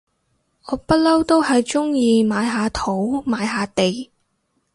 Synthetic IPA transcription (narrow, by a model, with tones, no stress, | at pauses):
ɔː˨˧pɐ˥t̚lɐ˥wt̪o˥whɐ˨jt͡ʃʊ˥ŋjiː˧maː˨˧jɦaː˨˧t̪ʰo˨˥wmaː˨˧jɦaː˨˧t̪e˨j